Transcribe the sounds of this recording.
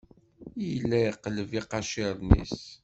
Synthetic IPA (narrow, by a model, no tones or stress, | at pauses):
jlːæjqːləviqɑʃiɾˤnḭs